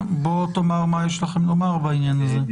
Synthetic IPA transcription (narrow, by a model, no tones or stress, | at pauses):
bot̪omaʁmajɛʃlaχemlomaʁbainjanaze